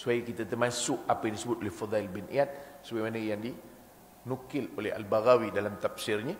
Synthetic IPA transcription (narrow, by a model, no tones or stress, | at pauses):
suajikit̪at̪əmasʊʔapajaŋdisəbʊt̪olɛhfad̪ɑɪlbɪnʔḭat̪̚səbaɡemanəjaŋdi | nukɪlolɛɦa̰lbaɣawidalamt̪ap̚sɪrɲə